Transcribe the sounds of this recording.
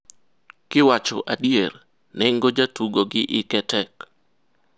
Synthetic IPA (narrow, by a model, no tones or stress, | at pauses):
kɪwat͡ʃɔ̰ʔadjer | nɛŋɡod͡ʒatuɡoɡɪʔɪkɛtɛk